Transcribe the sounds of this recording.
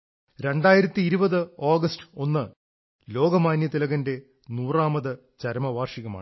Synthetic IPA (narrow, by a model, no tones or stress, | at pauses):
ɾe̞ɳɖaːjiɾɐt̪ːiːɾubɐðɨoːɡɐsʈɨ̥o̞nːɨ | lo̞ːɡɐmaːnjɐt̪ilɐɣɐnde̞ | nuːraːmɐðɨ | t͡ɕɐɾmɐʋaːrʂiɣɐma̰ːɳ